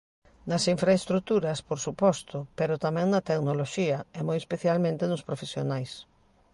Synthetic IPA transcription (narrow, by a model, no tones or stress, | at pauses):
nɐsiɱfɾaest̪ɾut̪uɾɐspoɾsupɔst̪ʊpeɾʊt̪amɛ̃ŋnɐt̪eɡnoloʃiɐɪmojespeθjalmẽnt̪enʊspɾofesjonajs